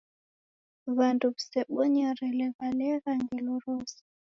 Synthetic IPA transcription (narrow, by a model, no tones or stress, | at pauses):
βanduβusɛɓɔɲaɾɛlɛβalɛɣaŋɡiluɾɔsi̥